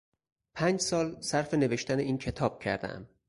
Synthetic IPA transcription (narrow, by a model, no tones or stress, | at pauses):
pʰæːnd͡ʒsɒːlsæɾfe̞ne̞veʃt̪æneiːncʰe̞t̪ʰɒːb̥̚cʰæ̰ɾd̪æ̰æ̰m